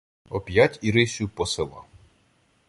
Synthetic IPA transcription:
ɔpʲjatʲiɾɪsʲʊpɔselˠɑ̰

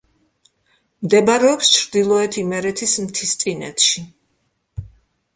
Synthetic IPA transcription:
md̪ɛbɾɛɔpst͡ʃʰɾd̪ilˠɔɛt̪ʰimɛɾɛt̪ʰismt̪ʰist̪sʼinɛ̰t̪ʃi

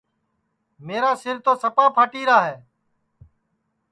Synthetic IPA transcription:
meːɾaːsɪɾt̪oːsəpaːpʰaːʈiːɾaːɦeː

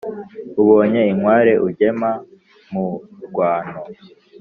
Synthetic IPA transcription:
uβo̞ːɲe̞iŋwaːɾe̞ʔuɟe̞ma | muɡwaːno

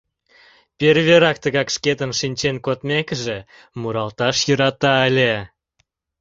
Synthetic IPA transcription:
pʲerβeɾɑk̚t̪əɣɑkʃket̪ənʃinʲt͡ɕenkot̪mekəʒe | muɾɑlt̪ɑʃjəɾɑt̪ɑəlʲe

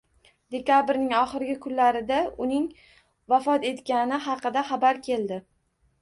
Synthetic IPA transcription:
d̪̥e̞kʲabɾnɪŋɒχɨɾɪɡʲakʰʊnlaɾɪd̪aʊnɪŋ | vafɒt̪e̞t̪kʲanɪχɑqɨd̪aχɑbaɾkʲʰe̞ld̪ɪ

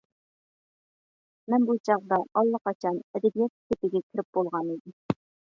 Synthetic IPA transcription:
mæmbulˠt͡ɕɑqd̪ɑʔɒlˠːɑqɑt͡ɕɑnæd̪æbijæt̪k̪ɘ̆t̪ɘ̆ɡʲækɘ̆ɾɘp̚bulˠʁɑnid̪ɘ

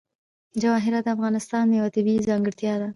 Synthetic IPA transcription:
d͡ʒawɑɦɪɾad̪əafɣɑnɪst̪ɑnd̪əjawat̪ɪbizɑŋɡəɽt̪jɑd̪a

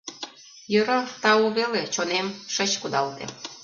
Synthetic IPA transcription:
jøɾə̆t̪ɑoβelet͡ɕonemʃə̆t͡ɕkud̪ɑlt̪ḛ

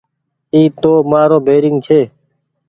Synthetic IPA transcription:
iːp̚t̪oːmaːɾõːbʱeːɾɪŋɡ̚t͡ʃʰeː

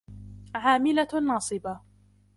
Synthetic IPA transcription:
ʕaːmɪlanːɑːsˤɨba

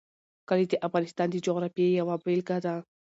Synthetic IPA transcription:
kalid̪eʔafɣɑnɪst̪ɑnd̪əd͡ʒoɣɾafejawabelkad̪a

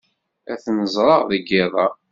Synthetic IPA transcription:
æθnəzˤɾˤɑʁðəɡɪðˤɑ

